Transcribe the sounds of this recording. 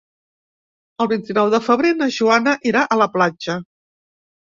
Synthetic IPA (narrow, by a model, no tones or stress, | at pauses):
əlˠβint̪inɔwðəfəβ̞ɾenəʒuanəʔiɾaʔələplad͡ʒə